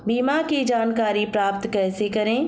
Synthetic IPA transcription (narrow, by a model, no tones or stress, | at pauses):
biːmakid͡ʒaːnkaːɾipɾaːp̚t̪kɛːsekɐɾẽː